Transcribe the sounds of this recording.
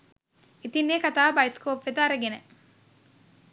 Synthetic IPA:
it̪inːeːkat̪aːbajskoːpʋet̪aːɾɐɡene

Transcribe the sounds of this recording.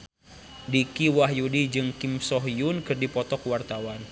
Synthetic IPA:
dikiwaɦjudid͡ʒɨŋkimsɔɦjunkɨrdipɔt̪ɔkwart̪awan

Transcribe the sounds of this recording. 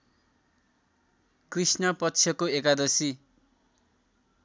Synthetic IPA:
krisnʌpʌtːt͡sʰjʌkoekad̪ʌsi

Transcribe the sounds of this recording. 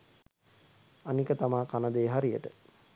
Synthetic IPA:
anikət̪amaːkanəd̪eːɦaɾijə̰ʈə

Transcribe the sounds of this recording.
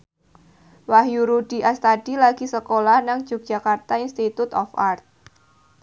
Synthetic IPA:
wahjuɾuɖ̥i̤ʔast̪aɖ̥ilaɡ̥isəkolahnaŋ̥ʒ̥uk̚d̥ʒ̥a̤kart̪ainst̪it̪ut̪ɔ̰fart̪̚

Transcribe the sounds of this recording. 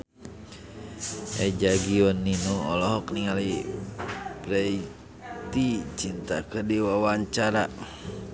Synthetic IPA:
ʔɛd͡ʒaɡiɔnːinuɔlɔɦɔkniŋali | bɾɛi | t̪it͡ʃint̪a̰kədiwawaɲt͡ʃaɾa

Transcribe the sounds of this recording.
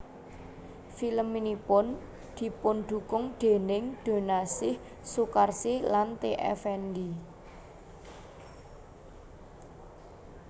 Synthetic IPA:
filəmːinipʊn | d̪̥i̤pʊnɖ̪̥ṳkʊŋd̪̥e̤nɪŋd̪̥o̤nasɪh | sukarsilant̪eʔɛ̰fɛndi

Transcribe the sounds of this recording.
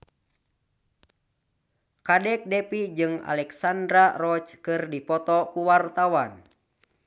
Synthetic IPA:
kadɛk̚dɛpid͡ʒɨŋa̰lɛksandɾarɔt͡ʃkɨrdipɔt̪ɔkuwart̪awan

